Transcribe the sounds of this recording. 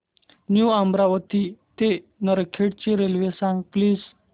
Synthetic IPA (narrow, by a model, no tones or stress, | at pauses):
njuambɾaʋət̪it̪enəɾkʰeɽt͡ɕiɾelʋesãŋɡpliːs